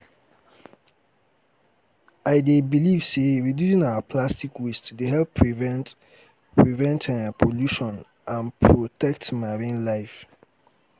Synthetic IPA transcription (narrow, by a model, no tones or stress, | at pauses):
aɪdebiliv̥seɹidjusĩŋawəpʰlastikʰwistʰudeɦɛlpɹvɛnt | pʰɹivɛ̃ntʰãnpʰoljuʃɔ̃n | ʔãnpʰɹotʰɛk̚tmaɹĩnlaɪf